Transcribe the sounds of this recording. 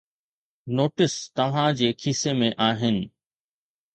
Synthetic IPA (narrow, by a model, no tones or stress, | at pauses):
noːʈɪst̪ɐʋ̤ãd͡ʑeːkʰisemẽʔaːɦɪnɪ̆